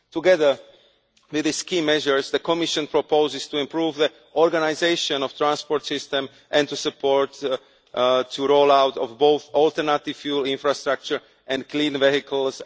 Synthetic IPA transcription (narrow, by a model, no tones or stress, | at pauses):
t̪uɡɛðə | wɪðɪskiːmɛʒəɹsd̪əkɔmiʃɔ̃npɾɔpoʊzɪst̪uĩmpɾuːvði | ɔɾɡanaɪzeɪʃɔ̃nɔft̪ɾãnspɔɾt̪sɪst̪ɛ̃m | ʔɛ̃nt̪usupʰɔɹt̪ | tʰːuɾoːlawt̪ɔ̰fboʊθɔlt̪ɛɾnat̪ɪffjuːlĩnfɾast̪ɾak̚t͡ʃəɹ | ʔɛ̃nklĩːnvɛɦikl̩s